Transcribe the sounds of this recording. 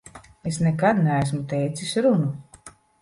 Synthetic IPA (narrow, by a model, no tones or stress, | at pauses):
esnɛkad̪nɛæs̬mut̪ɛjt̪sisʲɾunu